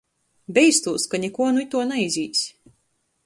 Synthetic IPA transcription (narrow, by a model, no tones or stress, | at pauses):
bʲɛjst̪uːskanʲɛkuɔnuit̪uɔnaizʲiːsʲ